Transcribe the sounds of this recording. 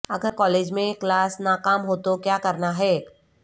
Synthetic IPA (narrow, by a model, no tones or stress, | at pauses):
ɐɡəɾkɔːleːd͡ʒmẽklaːsnaːkaːmɦoːt̪okjaːkɐɾnaɦɛːk